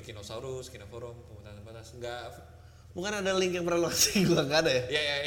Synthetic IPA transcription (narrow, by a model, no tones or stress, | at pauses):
kinosauɾuskinafɔɾɔmpəmut̪aŋanbat̪asŋɡaʔ | buŋkanadalɪŋkjaŋpərlokasi̥ɡulaŋɡadajajaja